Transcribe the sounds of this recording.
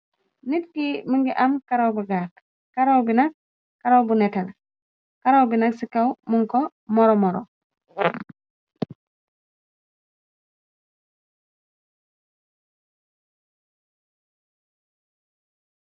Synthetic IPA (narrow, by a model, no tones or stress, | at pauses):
nitkimiŋɡiʔamkaɾowbuɡaːk | kaɾowbinak̚ː | aɾowbunetan | kaɾowbinaksikawmuŋkɔ | mɔɾɔmɔɾɔ̰